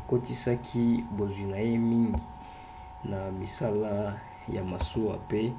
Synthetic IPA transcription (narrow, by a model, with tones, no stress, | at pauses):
ko˦ti˦sa˦kʰi˦bo˨zwi˨na˨je˦mi˦ŋɡi˨ | na˨mi˨sa˦la˦ | ja˨ma˨so˦wa˨pe˦